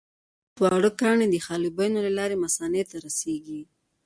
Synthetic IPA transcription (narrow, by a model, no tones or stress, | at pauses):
t̪wɑɽəkɑɳed̪əxɑlibajnolalɑɾemasɑnet̪aɾaseɡi